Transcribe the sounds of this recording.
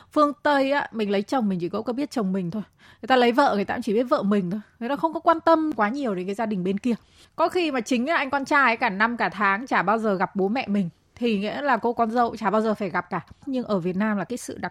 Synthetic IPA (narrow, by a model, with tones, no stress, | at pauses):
fɨ˧əŋt̪ə˧jʔaː˨˦mï̟˨˩lə˨˦jt͡ɕə˨˩wŋ͡mmï˨˩ŋ̟t͡ɕʰi˧˩ko̰˧˥kɔ˨˦ɓi˦˥ət̚t͡ɕə˨˩wŋ͡mmï˨˩ŋ̟t̪ʰo˧j | ŋə˨˩jt̪aː˧lə˨˦jvə̰ː˧˨ŋ˨˩jt̪a̰ː˧˨˩t͡ɕi˧˩ɓi˦˥ət̚və̰ː˧˨mï˨˩ŋ̟t̪ʰo˧jŋə˨˩jnɔ˨˧˦xə˧wŋ͡mkɔ˨˦kwaː˧nt̪ə˧mkwaː˨˦ɲi˨˩əwɗe˨˦nkaː˨˦jzaː˧ɗï˨˩ŋ̟ɓe˧nki˧ə | kɔ˨˦xi˧maː˨˩t͡ɕï˨˦ŋ̟ʔa˨˩ʔa˧jŋ̟ka˧nt͡ɕaː˧˩jʔə˨˦jkaː˧˩na˧mkaː˧˩t̪ʰaː˨˦ŋt͡ɕaː˧˩ɓaː˧wzəː˨˩ɣa˨˩p̚ɓo˨˦mɛ̰˧˨mï˨˩ŋ̟ | t̪ʰi˨˩ŋḭ˧˥əlaː˨˩ko̰˧˥kɔ˨˧˦nzə̰˧˨wt͡ɕaː˧˩ɓaː˧wzəː˨˩faː˧˩jɣa˨˩p̚kaː˧˩ɲɨ˧ŋʔəː˧˩vi˨˩ət̚naː˧mlaː˨˩kaː˨˦jsɨ̰˧˨ɗa˨˩